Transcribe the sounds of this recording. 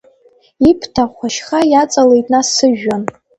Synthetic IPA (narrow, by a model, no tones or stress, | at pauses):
ipʰtʰaχʷaʃχajat͡sʼalejtʼnasɨʒᶣːan